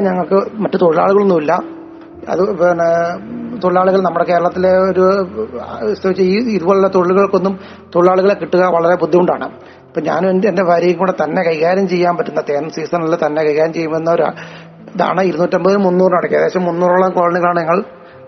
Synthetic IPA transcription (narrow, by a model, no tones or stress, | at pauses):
ɲɐŋːɐɭkɨmɐtːut̪o̞ɻiɭa̰ːɭuɣɐɭonːumilːɐ | ɐ̰ðun | t̪o̞ɻilaːɭuɣɐɭnɐmːuɽe̞ke̞ːɾɐɭɐt̪ːile̞oɾu | sɐʋit͡ɕːɐiiðuboːɭelːɐt̪o̞ɻiɭuɣɐɭokːo̞nːum | t̪o̞ɻiɭaːɭuɣɐɭekiʈːuɣɐʋɐɭɐɾe̞pud̪ʱːimuɳɖa̰ːɳɨ̰ | ɐpːoːɲa̰ːnendende̞bʱaːɾjɐjɐkuːɽet̪ɐnːe̞kɐjɣaːɾjɐmt͡ɕe̞jːaːnpɐtːunːɐt̪eːnsiːsɐnɐlːɐt̪ɐnːe̞kɐjɣaːɾjɐmt͡ɕe̞jːumbɐunːɐoɾa̰ | a̰ːɳɨiɾuðnːuːtːɐmbɐðnumunːuːrnɐɽɐkːiɐðeːɕɐmːunːuːruːɭːɐkoːɻɐnːiɣɐɭaːɳɨɲɐŋːɐɭ